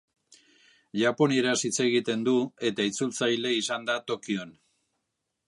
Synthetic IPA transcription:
ʝapo̞nieɾasit͡se̞ɣit̪e̞nd̪ue̞t̪ait͡sult͡sajle̞isand̪at̪o̞kio̞n

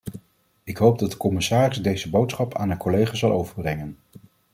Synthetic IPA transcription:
ɪkɦowb̚dɑt̚də̥kɔmɪsaːrɪzdejzəbowtsχɑpʰa̰ːnənkɔlejχaːzɑlˠʔowvəɹbrɛŋən

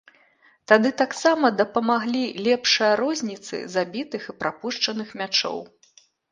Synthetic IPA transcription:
t̪ad̪ɨt̪aksamɐd̪ɐpɐmaɣlʲilʲɛpʂɐjɐɾɔzʲnʲit̪sɨ̰zabʲit̪ɨxɨpɾapuʂt͡ʂɐnɨxmʲat͡ʂɔ̰w

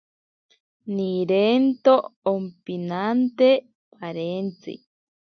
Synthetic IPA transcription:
niɾent̪oompinant̪e | paɾent͡sḭ

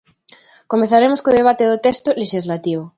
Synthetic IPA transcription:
komeθaɾemoskoð̞eβ̞at̪eðot̪est̪oleʃizlat̪iβ̞o

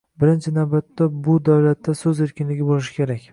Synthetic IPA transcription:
bɪɾɪnt͡ʃʰɪnawbat̪ːabʊd̪awlat̪ːasɵze̞ɾkʲʰɪnlɪɡʲɪbolɪʃɪ̥kʲʰe̞ɾakʲ

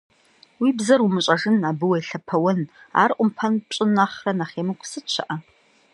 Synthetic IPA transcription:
wiːbzɐrumɨɕʷʼɐʒɨnaːbɨwɐjɬɐpʰɐwɐna̰ːrʔʷʼʊmpʰɐnpɕʼɪnaχrɐnaχeːmɨkʷʼsɨt͡ʃʷʰɐʔɐ

